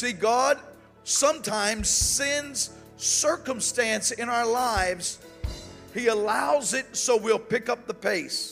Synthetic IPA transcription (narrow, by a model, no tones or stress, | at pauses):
siɡɑd̥̚ | sʌ̃mtʰãɪ̃mz̥sɛ̃nz̥ | sɜ˞kə̃mstæ̃nsɨ̃naʊə˞laɪvz̥ | hiəlaʊzɪt̚soʊwilˠpɪkʌp̚ðəpʰeɪs